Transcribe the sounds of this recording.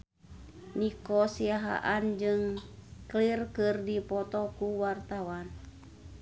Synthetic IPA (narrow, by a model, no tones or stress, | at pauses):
nikɔsiaɦa̰ʔand͡ʒɨŋklirkɨrdipɔt̪ɔkuwart̪awan